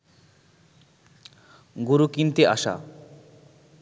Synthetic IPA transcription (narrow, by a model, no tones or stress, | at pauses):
ɡuɾukint̪eaʃa̰